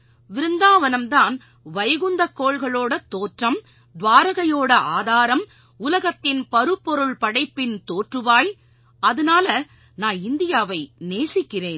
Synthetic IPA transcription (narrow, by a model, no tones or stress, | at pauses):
ʋɪɾɯnd̪aːʋɐnɐmt̪aːn | ʋɐjɐɣʊnd̪ɐkːoːɭɣɐɭoːɽɐt̪oːʈrɐm | d̪ʋaːɾɐɣɐjoːɽɐʔaːðaːɾɐm | ʊlɐɣɐt̪ːɪnpɐɾɯpːɔɾɯɭpɐɽɐɪpːɪnt̪oːʈrɯʋaːj | ɐðɐnaːlɐ | naːnɪnd̪ɪjaːʋɐɪneːsɪkːɪreːn